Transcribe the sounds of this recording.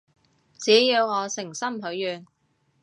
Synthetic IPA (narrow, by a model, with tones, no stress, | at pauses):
t͡siː˨˥jiː˨˧wŋɔː˨˧sɪ˨˩ŋsɐ˥mɦɵ˨˥ɥːyː˨n